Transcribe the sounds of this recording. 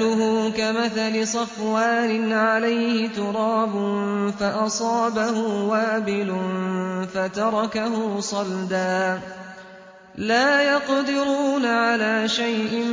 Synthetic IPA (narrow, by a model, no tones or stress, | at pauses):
lʊɦʊːkamaθalɪsˤɑfwaːnɪnʕalajhɪt̪ʊɾˤɑːbʊnfaʔɑsˤɑːbahʊwaːbɪlʊnfat̪ɑɾˤɑkaɦʊːsˤɑld̪aː | laːjɑqd̪ɪɾuːnaʕalaːʃajʔɪ